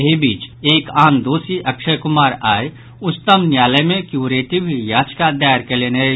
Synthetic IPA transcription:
ɦibiːt͡ʃeːkaːnd̪oːsiʔɐkʃəjkʊmaːɾaːe | ʊst̪əmnjaːləjmẽkjuːɾeːʈiʋʱijaːd͡ʒkad̪aːəɾkeleːne

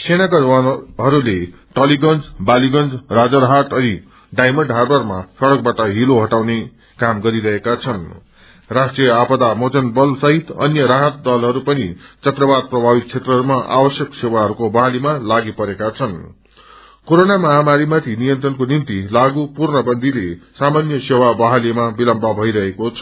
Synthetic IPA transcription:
sʰenakad͡zwanɦʌɾule | ʈʌliɡʌnd͡zbaliɡʌnd͡zrad͡zʌɾɦaʈʌni | ɖajmʌɳɖɦarbʌrmasʌɽʌk̚baʈʌɦiloɦʌʈawne | kamɡʌɾiɾʌɦekat͡sʰʌn | rasʈrijʌapʌd̪amot͡sʌnbʌlsʌɦit̪ʌ̰njʌɾaɦʌt̪̚d̪ʌlɦʌɾupʌnit͡sʌt̪rʌbad̪̚prʌbʱabit̪̚t͡sʰet̪rʌɦʌɾumaʔa̰bʌsjʌksewaɦʌɾukobʌɦalimalaɡipʌɾekat͡sʰʌn | koɾonamʌɦamaɾimat̪ʰinijʌnt̪rʌnkonint̪ilaɡupurnʌbʌnd̪ʱilesamanjʌsewabʌɦalimabilʌmbʱʌbʱʌijɾʌɦekot͡sʰʌ

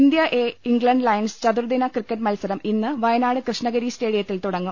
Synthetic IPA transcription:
ind̪jɐʔeːiŋɡɭɐɳɖlɐjɐnst͡ɕɐd̪uɾd̪inɐkrikːɐʈ̬mɐlsɐɾɐminːɨʋɐjɐnaːɽɨkrɨʂɳɐɣɐɾiːsʈe̞ːɽijɐt̪ːilt̪uɽɐŋːu

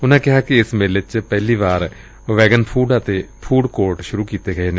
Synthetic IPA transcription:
ʊnãːkɪɦaːkiɪsmelet͡ʃpɛɦliːʋaːɾ | ʋɛːɡənpʰuːɖət̪eːpʰuːɖkoːɾʈʃʊɾuːkiːt̪eːɡəeːne

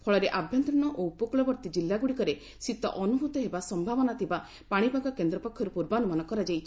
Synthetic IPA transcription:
pʰɔɭɔɾeʔabʱjɔnt̪ɾiɽ̃ɔʔoupɔkuɭɔbɔɾt̪id͡ʒilːaɡuɽikɔɾe | sit̪ɔ̰ʔɔnubʱut̪ɔɦebasɔmbʱabɔnat̪ʰiba | paɽ̃ibʱaɡɔkend̪ɾɔpɔkʰːjɔɾupuɾbanɔmanɔkɔɾad͡ʒajt͡ʃʰi̥

